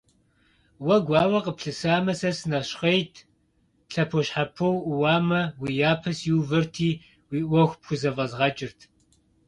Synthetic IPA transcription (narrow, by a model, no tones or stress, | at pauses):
wɐɡʷɑːwɐqəpɬɨsaːmɐsɐsɨnɐɕχejtʰ | ɬɐpʰɔɕħapʰɐwʔwaːmɐwijaːpʰɐsjiwvɨrtʰiː | wiːʔʷɔxʷpxʷʊzɐvɐzʁɐt͡ʃʼɪrtʰ